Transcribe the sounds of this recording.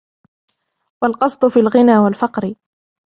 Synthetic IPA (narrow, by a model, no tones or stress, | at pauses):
walqɑsˤt̪ˤʊfiːlɣɪnaːwalfɑqɾɪ